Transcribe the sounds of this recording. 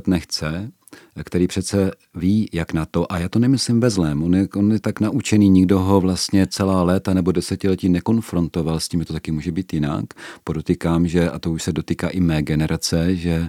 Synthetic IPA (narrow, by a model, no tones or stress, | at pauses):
t̪nɛxt͡sɛ | kt̪ɛɾiːpr̥ɛt̪t͡sɛ | viːjaknat̪o̞ʔajaːt̪o̞nɛmɪslɪmvɛzlɛːmonjɛʔonjɛt̪aknaʔut͡ʃɛniːɲɪɡdo̞ɦo̞vlast̪ɲɛt͡sɛlaːlɛːt̪anɛbo̞dɛsɛcɪlɛciːnɛko̞nfɾo̞nt̪o̞valscʲiːmʒɛt̪ot̪ḁkɪmuːʒɛbiːt̪jɪna̰kpodot̪ikaːmʒɛʔa̰t̪o̞uʃsɛdot̪iːkaːʔɪmɛːɡɛnɛɾʔat͡sɛʒɛ